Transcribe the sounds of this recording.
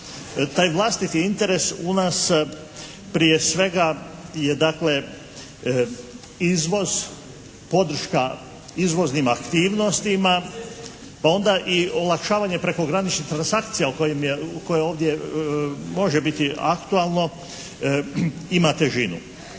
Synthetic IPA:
t̪aːjʋlˠast̪it̪iint̪e̞ɾe̞sunaːs | pɾije̞sʋe̞ɡaje̞d̪akle̞ | izʋo̞z | po̞d̪r̩ʃka | izʋo̞znimakt̪iːʋno̞st̪ima | pao̞nd̪aʔio̞lakʃaːʋaɲe̞pɾe̞ko̞ɡɾanit͡ʃnit̪ɾansakt̪sijaukojemjeko̞jeo̞ːʋd̪je̞ | mo̞ʒebit̪ia̰kt̪ualˠno̞ | imat̪e̞ʒinṵ

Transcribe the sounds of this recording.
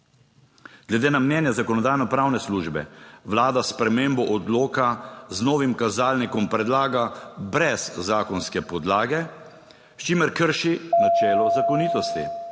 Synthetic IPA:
ɡ̥lɛd̪eːnamnjɛːnjazakɔnɔd̪aːjnɔpɾawnɛsluʒbɛ̰ʋlaːd̪aspɾɛmeːmbɔʔɔd̪loːkaznɔːʋimkazaːlnikɔmpɾɛd̪laːɡabɾɛzːaːkɔnskɛpɔd̪laːɡɛ | st͡ʃimɛɾkəɾʃinat͡ʃɛːlɔzakɔniːt̪ɔst̪ḭ

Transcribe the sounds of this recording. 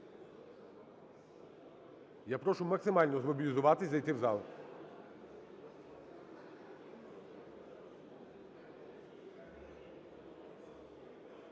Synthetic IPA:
japɾɔʃumɐksɪmalʲnɔzmɔbʲilʲizʊʋat̪ɪzʲzɐjt̪ɪwzalˠ

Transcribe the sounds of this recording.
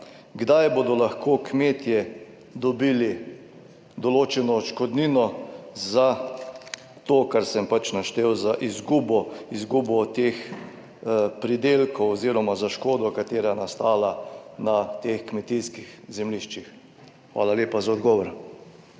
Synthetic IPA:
ɡd̪ajboːd̪ɔlaxkʰoːkmeːt̪jɛ | d̪ɔbiːli | d̪ɔloːt͡ʃɛnɔːt͡ʃkɔd̪niːnɔza | t̪oːkaɾsɛmpat͡ʃnaʃt̪eːwzaʔizɡuːbɔizɡuːbɔt̪eːx | pɾid̪eːlkɔwɔziːɾɔmazaʃkoːd̪ɔkat̪eːɾajnast̪aːlanat̪eːxkmɛt̪iskixzɛmliʃt͡ʃix | xʋa̰ːlaleːpazaɔd̪ɡɔːʋɔɾ

